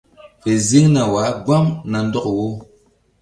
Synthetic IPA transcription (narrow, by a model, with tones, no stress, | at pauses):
fɛ˨zi˦ŋna˨wa˨˦ɡwa˦mna˨n̩˦dɔ˦kwo˦